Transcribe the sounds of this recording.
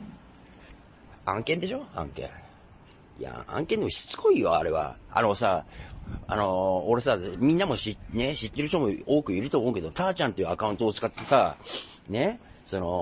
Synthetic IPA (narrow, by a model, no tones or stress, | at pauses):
ãŋkẽ̞nd̪e̞ɕo̞ã̰ŋkẽ̞̰ | ja̰ã̰ŋke̞nd̪emoɕi̥t͡sɨ̥kʰo̞ijoa̰ɾe̞βa̰a̰nosa | a̰no̞ːɾe̞samʲĩnːamo̞ɕineɕit̪ːe̞ɾɯ̟çt̪omoo̞ːkɯ̟iɾɯ̟t̪oːmo̞ːɯ̟ke̞d̪ot̪aːt͡ɕãnt̪e̞jiɯ̟akaɯ̃nt̪o̞ːt͡sɨ̥kat̪ːe̞sa | ne̞so̞no̞